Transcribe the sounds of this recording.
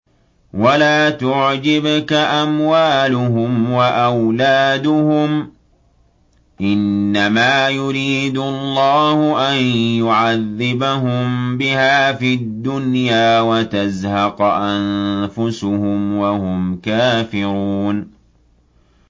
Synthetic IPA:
walaːt̪ʊʕd͡ʒɪbkaʔamwaːlʊɦʊmwaʔawlaːd̪ʊhʊm | ʔɪnːamaːjʊɾiːd̪ʊlˤːɑːhʊʔanjʊʕaðːɪbaɦʊmbɪhaːfid̪ːʊnjaːwat̪azhɑqʔanfʊsʊhʊmwahʊmkaːfɪɾuuːn

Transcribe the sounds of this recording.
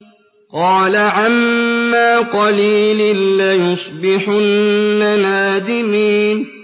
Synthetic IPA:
qɑːlaʕamːaːqɑliːlɪnlajʊsˤbɪħʊnːanaːd̪ɪmiːn

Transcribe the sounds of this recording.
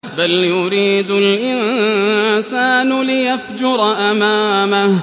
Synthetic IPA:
baljʊɾiːd̪ʊlʔɪnnsaːnʊlɪjafd͡ʒʊɾˤɑʔamaːmah

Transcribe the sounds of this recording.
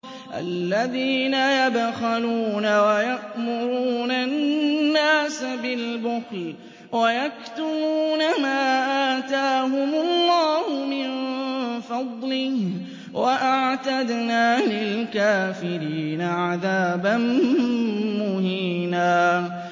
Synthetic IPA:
ʔa̰lːaðiːnajabxaluːnawajaʔmʊɾuːnannːaːsbɪlbʊxl | wajak̚t̪ʊbuːnamaːʔaːt̪aːɦʊmʊlˤːɑːhʊmɪnfɑd̪ˤlɪh | wʔaʔaʕt̪ad̪naːlɪlkaːfɪɾiːnaʕaðaːban | mʊhiːnaː

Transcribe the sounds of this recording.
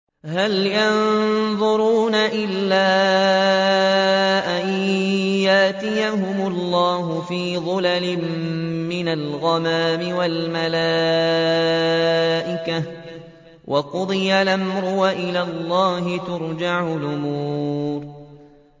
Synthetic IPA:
haljɑnðˤʊɾuːnaʔɪlːaː | ʔajjaʔt̪ɪjaɦʊmʊlˤːɑːɦʊfiːðˤʊlalɪmːɪnalɣɑmaːmɪwalmalaː | ʔɪka | wʔɑqʊd̪ˤɪjalamɾʊwaʔɪlaːlːɑːɦɪt̪ʊɾˤd͡ʒaʕʊlʔʊmuːɾ

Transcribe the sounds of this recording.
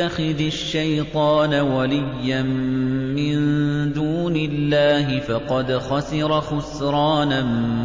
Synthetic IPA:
axɪdaʃːajt̪ˤɑːnawalɪjːanmɪnd̪uːnɪlːaːɦɪfɑqɑd̪xɑsɪɾˤɑxʊsɾɑːna

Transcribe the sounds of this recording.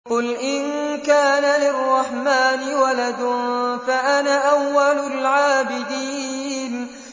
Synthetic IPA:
qʊlʔɪnkaːnalɪrˤːɑħmaːnɪwalad̪ʊfaʔanaʔawːalʊlʕaːbɪd̪iːn

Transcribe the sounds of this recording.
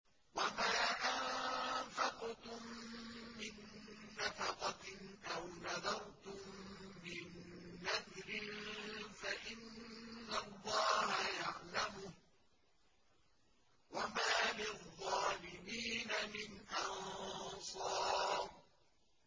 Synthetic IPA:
wamaːʔanfɑqt̪ʊmː | ɪnːafɑqɑʔawnaðɑɾt̪ʊmː | ɪnːaðɾɪnfaʔɪnːalˤːɑːhajaʕlamʊh | wamaːlɪðˤːɑːlɪmiːnamɪnʔɑnsˤɑːɾ

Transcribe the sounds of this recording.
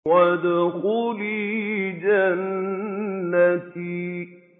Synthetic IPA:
wad̪axuːlid͡ʒanː | ati

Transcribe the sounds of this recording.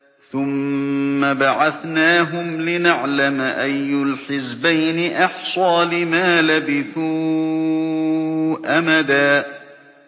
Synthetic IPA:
θʊmː | abaʕaθnaːɦʊmlɪnaʕlamʔajːʊlħɪzbajnɪʔɑħsˤɑːlɪmaːlabɪθuː | ʔamad̪aː

